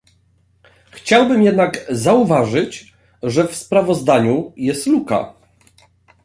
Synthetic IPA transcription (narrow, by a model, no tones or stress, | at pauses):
xt͡ɕawbɘmjɛd̪naɡzauvaʐɘt͡ɕ | ʐɛfspɾavɔzd̪aɲujɛst̪luka̰